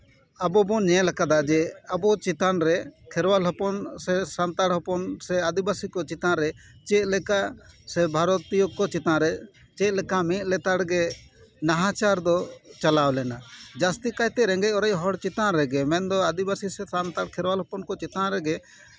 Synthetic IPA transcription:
abɔbɔɲɛ̃lakad̪ad͡ʒɛabɔt͡ʃit̪anɾɛkʰɛɾwalɦɔpɔnsɛsant̪aɽɦɔpɔnsɛad̪ibasikɔt͡ʃit̪ãɾɛt͡ʃɛt̪lɛkasɛbʱaɾɔt̪ijɔkːɔt͡ʃit̪ãɾɛ | t͡ʃɛlɛkamĩlɛt̪aɽɡɛnaɦãt͡ʃaɾd̪ɔt͡ʃalawlɛnad͡ʒast̪ikajt̪ɛɾɛ̃ŋɡɛjɔɾɛjɦɔɽt͡ʃit̪ãɾɛɡɛmɛ̃nd̪ɔad̪ibasisɛsant̪aɽkʰɛɾwalɦɔpɔnkɔt͡ʃit̪ãɾɛɡɛ

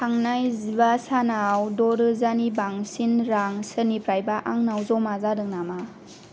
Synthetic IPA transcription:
tʰaŋnajziβasanawdɔɾɯzanibaŋsinɾaŋsɯnipɾajbaʔaŋnawzɔmazadɯŋnama

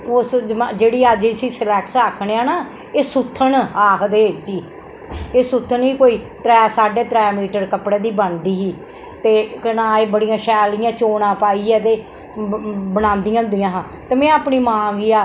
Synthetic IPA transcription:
osmd͡ʒeːɽiːəd͡ʒsiːsəlɛːksaːkʰɳeːãːnaː | eːsʊt̪ʰːənaːkʰd̪eːd͡ʒiː | eːsʊt̪ʰːəniːkoːiːt̪ɾɛːsaːɖeːt̪ɾɛːmiːʈəɾkəpɽeːd̪iːbənd̪iːɦiː | t̪eːkənaːeːbəɽijãːʃɛːlɪjãːt͡ʃoːnãːpaːiːɛːt̪eː | bənãːnd̪ɪjãːʊnd̪ijãːɦãː | t̪eːmɛ̃ːaːpɳiːmãːɡiːaː

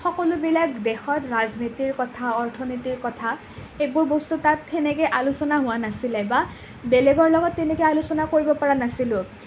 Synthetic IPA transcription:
xɔkɔlʊbilakdɛxɔtɹaznitiɹkɔtʰaɔɹtʰɔnitiɹkɔtʰa | xejbʊɹbɔstutatɛnɛkɛjʔalusɔnaɦʊwanasilɛba | belɛɡɔɹlɔɡɔtːɛnɛkɛalusɔnakoɹibɔpɔɹanasilʊ̃

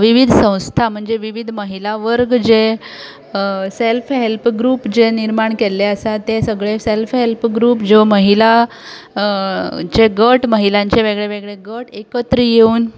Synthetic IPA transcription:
ʋiʋid̪ʱsə̃w̃st̪ʰam̤əɳd͡zeʋiʋid̪ʱməɦilaʋəɾɡd͡ze | selfɦelpɡɾuːpd͡zeniɾmaɳkelːeəsat̪esəɡɭeselfɦelpɡɾuːpd͡ʑoməɦila | t͡ɕeɡəʈməɦilãɲt͡ɕeʋeɡɭeʋeɡɭeɡəʈekət̪ɾijeuːn

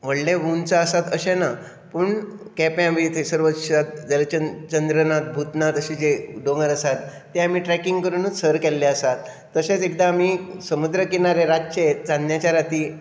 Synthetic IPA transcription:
ʋəɽɖeʋunt͡saəsat̪əɕena | puɳkɛpjãʋit̪ʰesəɾʋət̪ɕat̪̚d͡zəlt͡ɕət͡ɕənd̪ɾənat̪̚bʱut̪nat̪əɕid͡zeɖoŋɡəɾəsat̪ː | eamiːʈɾɛkiŋɡkəɾunət͡ssəɾkɛlːeəsat̪ː | əɕet͡sek̚d̪aːmisəmud̪ɾəkinaɾeɾat̪̚t͡ɕet͡sanjat͡ɕaɾat̪iː

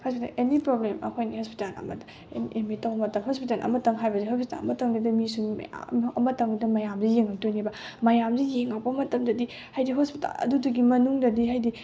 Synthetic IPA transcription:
haskda̰ʔenipɾoblemɐ̰kʰojnihospi̥talɐ̰mɐd | ḛniʔemitɐwɐmɐtɐmɦospitalʔɐ̰mɐtɐŋɦajbɐsiɦospi̥ta̰lɐ̰mɐtɐŋdɐdɐmisṵ | ɐmɐtʰɐŋdɐdɐmɐjamzijeŋak̚tojnibɐmɐjamzijeŋak̚pɐmɐtɐmdɐdi | hajdiɦospita̰lɐ̰duduɡimɐnuŋdɐdiɦajdi

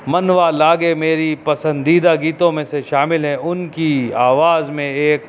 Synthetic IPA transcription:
mɐnʋalaːɡemeːɾipɐsə̃nd̪iːd̪aɡiːt̪õmẽseʃaːmɪlɦɛʔʊnkiaːʋaːzmẽeːk

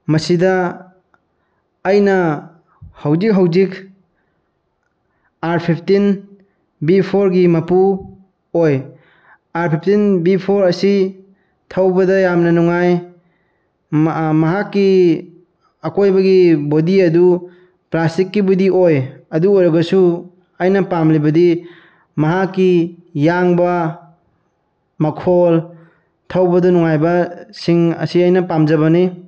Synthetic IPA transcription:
mɐsidɐ | jnɐ | hɐwzik̚ɦɐwzik | aɾpʰip̚ʰtin | bipʰoɾɡimɐpu | oj | aɾpʰipʰtinbipʰoɾɐsi | tʰɐwbɐdɐjamnɐnuŋaj | mɐɦakːi | ɐkojbɐɡibodiɐdu | plastikːibudiʔojɐduojɾɐɡɐsu | ajnɐpamlibɐdi | mɐɦakːijaŋbɐ | mɐkʰol | tʰawbɐdɐnuŋajbɐsiŋɐ̰siajnɐpamzɐβɐni

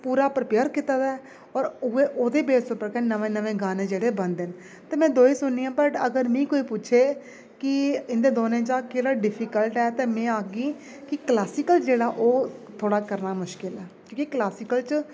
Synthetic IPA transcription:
puːɾaːpɾəpeːɾkɪt̪aːd̪aːɛ | ɔːɾʊeːʔoːd̪eːbeːsoːpɾkɛːnəʋẽːnəʋẽːɡaːnẽːd͡ʒeːɽeːbənd̪en | t̪eːmɛ̃ːd̪oːiːsʊnːiːãːpəʈəɡəɾmĩːkoːiːpʊːt͡ʃʰeː | kɪɪnd̪eːd̪oːnẽːt͡ʃaːkeːɽaːɖɪpʰiːkəlʈɛːt̪eːmɛ̃ːaːɡiː | kɪklaːsɪkəlt͡ʃd͡ʒeːɽaːʔoːt̪ʰoːɽaːkəɾnaːmʊʃkɪlɛːkjõːkiklaːsɪːkəlt͡ʃ

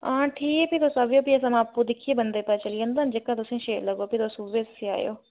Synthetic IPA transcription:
ãːʈʰiːkpit̪osɐʋjoːpiɐs̬ãmãːpːud̪ɪkʰiebɐnd̪epat͡ʃɐliə̃nd̪aːnd͡ʒeːkãt̪ʊsẽʃeːɾlɐɡoːpit̪osuʋessʰia̰ːjo̰ː

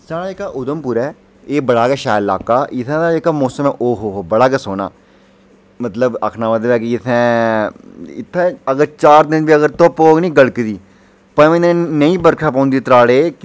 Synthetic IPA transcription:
saːɽaːekaːʔʊd̪əmpuːɾɛː | eːbəɽaːkɛːʃaːjla̰ːkaːɪt̪ʰɛ̃ːd̪aːekaːmoːsəmɛ̃ːʔoːɦoːɦobəɽaːkɛːsoːna̰ː | mət̪ləbə̰kʰnaːmət̪əbɛːkɪɪt̪ʰːɛ̃ː | ɪ̰t̪ʰːɛ̃ːəɡəɾt͡ʃaːɾd̪ɪnbiːəɡəɾt̪oːpoːɡnĩːɡəɽkd̪iː | pəẽnẽːnəĩːbəɾkʰaːp̬ãːnd̪ieːt̪ɾaːɽeː

